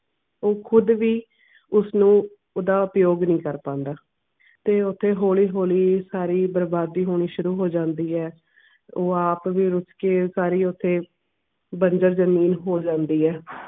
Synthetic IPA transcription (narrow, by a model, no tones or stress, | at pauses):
oːkʰʊd̪ʋiː | ʊsnũː | oːd̪aːʊpjoːɡnĩːkəɾpãːnd̪aː | t̪eːʊt̪ʰːeːɦoːliːɦoːliːsaːɾiːbəɾbaːd̪iːɦoːɽ̃iːʃʊɾuːɦoːd͡ʒãːnd̪iːɛː | oːaːpʋiːɾʊskeːsaːɾiːʊt̪ʰːeː | bəɲd͡ʒəɾzəmiːnɦoːd͡ʒãːnd̪iːɛː